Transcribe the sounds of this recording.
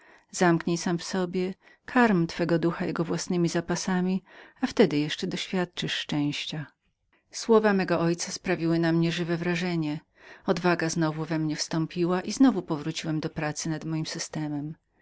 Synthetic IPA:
z̥amkɲejsamfsɔbʲjɛ | kʰaɾmt̪fɛɡɔd̪uxajɛɡɔvwasnɘmʲizapasamʲiaft̪ɛd̪ɘjɛʂt͡ʂɛd̪ɔɕfʲjat̪̚t͡ʂɘʂːt͡ʂɛ̃w̃ɕt͡ɕa | swɔvamɛɡɔʔɔjt̪saspɾavʲiwɘnamɲɛʐɘvɛvɾaʐɛɲɛ | ɔd̪vaɡaznɔvuvɛmɲɛfst̪ɔ̃mpʲiwaʔiznɔvupɔvɾut͡ɕiwɛmd̪ɔpɾat̪sɘnad̪mɔjimsɘst̪ɛmɛm

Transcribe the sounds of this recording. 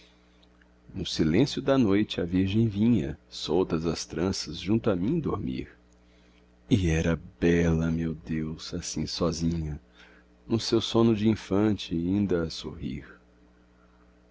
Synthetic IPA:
nʊsilẽsjʊd̪ɐnojt͡ʃɪɐviɾʒẽj̃vĩɲɐ̰sowt̪ɐzɐst̪ɾɐ̃sɐzʒũnt̪ʊɐmĩd̪oɾmḭɾ | ɪɛɾɐbɛlɐmewd̪ewz̥asĩsɔzĩɲɐ | nʊsewsõnʊd͡ʒɪĩfɐ̃t͡ʃɪĩnd̪ɐːso̰hḭɾ

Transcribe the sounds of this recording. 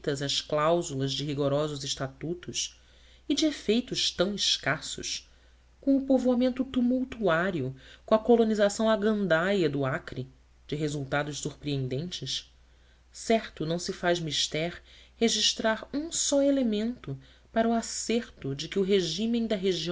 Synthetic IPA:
t̪ɐzɐʃklawzulɐzd͡ʒɪɦiɡoɾɔzʊzɪʃt̪at̪ut̪ʊʃ | ɪd͡ʒɪefejt̪ʊʃt̪ɐ̃w̃ɪʃkasʊ̰ʃ | kõw̃ʊpovoamẽnt̪ʊt̪umuwt̪uaɾiʊkõɐkolonizasɐ̃w̃aɡɐ̃nd̪ajɐd̪ʊakɾɪ | d͡ʒɪɦezuwt̪ad̪ʊʃsuɾpɾiẽnd̪ẽnt͡ʃɪʃ | sɛɾt̪ʊnɐ̃w̃sɪfaʒmiʃt̪ɛɾheʒiʃt̪ɾaɾũsɔelemẽnt̪ʊ | paɾɐuaseɾt̪ʊd͡ʒɪkɪʊɦeʒĩmẽj̃d̪ɐɦeʒĩ

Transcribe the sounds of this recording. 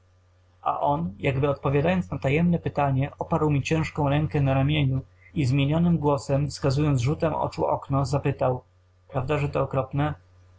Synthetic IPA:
ʔa̰ʔɔnjaɡbɘɔt̪̚pɔvʲjad̪ajɔnt̪snat̪ajɛmnɛpɘt̪aɲɛʔɔpaɾwmʲit͡ɕɛ̃ʂkɔ̃w̃ɾɛŋkɛnaɾamʲjeɲu | izmʲjeɲɔnɘmɡwɔsɛmfskazujɔnd̪zʐut̪ɛmɔ̰t͡ʂuʔɔ̰knɔzapɘt̪aw | pɾavd̪aʐɛt̪ɔːkɾɔpnɛ

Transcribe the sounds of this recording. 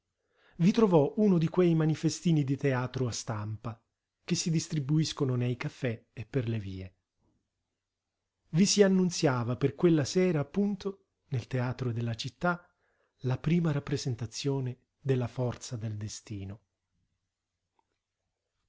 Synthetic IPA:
vit̪ɾovɔunod̪ikwejmanifest̪iːnid̪it̪eaːt̪ɾoast̪ampa | k̟esːid̪ist̪ɾibuiskononejkafːɛepːerleviːe | visianːunt̪sjaːvaperkwelːasɛːɾaːpːunt̪o | nelt̪eaːt̪ɾod̪elːat͡ʃit̪ːa | lapɾiːmaɾapːɾezent̪at̪sːjoːne | d̪elːafɔrt̪sad̪eld̪est̪iːno

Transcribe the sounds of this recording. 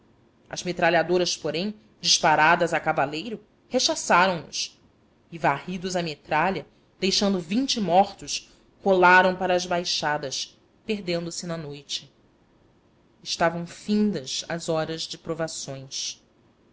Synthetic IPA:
ɐ̰zmet̪ɾaliad̪oɾɐspoɾẽj̃ | d͡ʒiʃpaɾad̪ɐzakavalejɾʊ | heʃasaɾɐ̃w̃nʊ̰s | ɪvahid̪ʊzɐmet̪ɾaʎiɐ | d̪̥ejʃɐ̃nd̪ʊvĩnt͡ʃɪmɔχt̪ʊʃ | holaɾɐ̃w̃paɾɐːzbajʃad̪ɐs | peɦd̪ẽnd̪ʊsɪnɐnojt͡ʃɪ | ɪʃt̪avɐ̃w̃fĩnd̪ɐsɐzɔɾɐzd͡ʒɪpɾovasõj̃s

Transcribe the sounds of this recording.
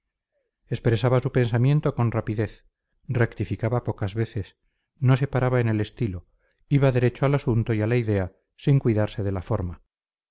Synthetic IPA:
e̞spɾesaβasupe̞nsamje̞nt̪o̞ko̞nrapiðe̞θ | rekt̪ifikaβapo̞kazβe̞θe̞s | no̞se̞paɾaβaene̞le̞st̪ilo̞ | iβaðe̞ɾe̞t͡ʃoalasunt̪o̞ialaiðe̞a | siŋkwiðaɾse̞ðe̞lafo̞ɾma

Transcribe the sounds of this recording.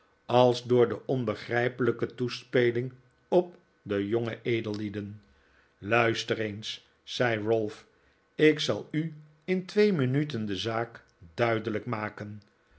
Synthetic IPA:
ɑlˠzdʊːɹdəʔɔnbəχrɛjpələkətuspejlɪŋ | ɔp̚ | dəjɔŋəʔejdəlˠːidən | lœɥstərensː | ɛjɹɔlˠf | ɪksɑ̰lˠy | ɪntʋejmənytəndəzaːk | dœɥdələkmaːkən

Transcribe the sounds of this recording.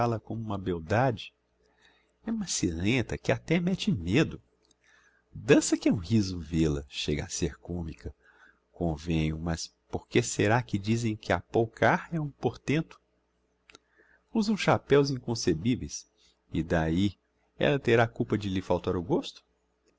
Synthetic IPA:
alɐkõmʊũmɐbewd̪ad͡ʒɪ | ɛũmɐsilẽt̪ɐkɪat̪ɛmɛt͡ʃɪmed̪ʊ | d̪ɐ̃sɐkɪɛũhizʊvelɐ̰ʃeɡɐa̰seɾkõmikɐ | kõvẽɲʊmɐspoɾkeseɾakɪd͡ʒizẽj̃kʰɪapowkʰaɾɛũpoɾt̪ẽnt̪ʊ̥ | uzɐ̃w̃sʃapɛwzĩkõsebivejs | ɪd̪ai | ɛ̰lɐt̪eɾakuwpɐd͡ʒɪlɪfawt̪aɾʊɡost̪ʊ̥

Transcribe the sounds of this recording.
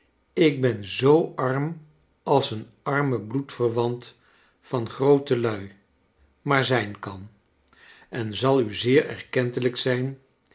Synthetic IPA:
ɪɡ̚bɛnzowɑɹm | ɑlˠsən | ɑɹməblutfərʋɑnt | fɑnχrowtəlœɥ | maːɹzɛjnkɑn | ɛnzɑlˠyzɪːɹɛ̰ɹkɛntələksɛjn

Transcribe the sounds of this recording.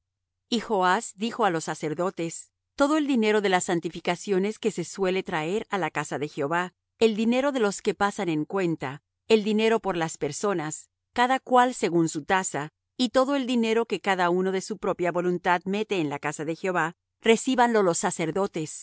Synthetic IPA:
ixo̞asd̪ixo̞alo̞sːase̞ɾðo̞t̪es | t̪o̞ðoe̞ld̪ine̞ɾo̞ðe̞lasːant̪ifikasjo̞ne̞ske̞se̞swe̞le̞t̪ɾae̞ɾalakasaðe̞xeo̞βa | e̞ld̪ine̞ɾo̞ðelo̞ske̞pasane̞ŋkwe̞nt̪a | e̞ld̪ine̞ɾo̞po̞ɾlaspe̞ɾso̞nas | kaðakwalse̞ɣunsut̪asa | it̪o̞ðo̞e̞ld̪ine̞ɾo̞ke̞kaðauno̞ðe̞supɾo̞pjaβo̞lunt̪aðme̞t̪e̞ːnlakasaðe̞xjeo̞βa | re̞siβanlo̞lo̞sːase̞ɾðo̞t̪e̞s

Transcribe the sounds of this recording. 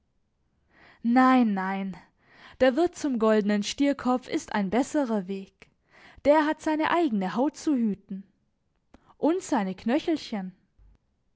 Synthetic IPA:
naɪnːaɪn | d̥eːɐvɪɐt̚t͡sʊmɡɔldənənʃtiːɐkʰɔp͡fɪstʔa̰ɪnbɛsəʁɐveːk | d̥eːɐɦatz̥aɪnəʔaɪɡənəɦaʊt̚t͡suhyːtn̩ | ʔʊntz̥aɪnəkʰnœçl̩çən

